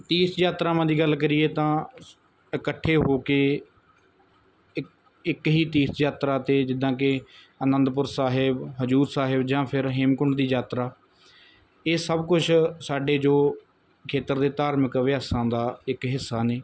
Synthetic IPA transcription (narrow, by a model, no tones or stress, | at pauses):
t̪iːsjaːt̪ɾaːmãːd̪iːɡəlkəɾɪeːt̪ãː | əkəʈʰːeːɦoːkeː | ɪkɦiːt̪iːsjaːt̪ɾaːt̪eːd͡ʒɪd̪ãːk̬ɪ | ənə̃nd̪pʊɾsaːɦɪbɦəzuːɾsaːɦɪbd͡ʒãːpʰɪɾɦɪmkʊɳɖd̪iːd͡ʒaːt̪ɾaː | eːsəbkʊt͡ʃʰsaːɖeːd͡ʒoː | kʰeːt̪əɾd̪eːt̪aːɾməkʋɪjaːsãːd̪aːɪkɦɪsːaːneː